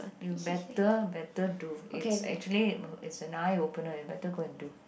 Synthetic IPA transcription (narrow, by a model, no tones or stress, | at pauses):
jubɛtəbɛtəduiesɛ̰k̚t͡ʃuəliɪtsɛ̃najopə̃nəjubɛtəɡoɛ̃du